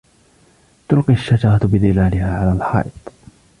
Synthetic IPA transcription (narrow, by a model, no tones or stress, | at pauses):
t̪ʊlqiaʃːad͡ʒɑɾˤɑt̪bɪðɪlaːlɪhaːʕalaːlħɑ̰ːʔɪt̪ˤ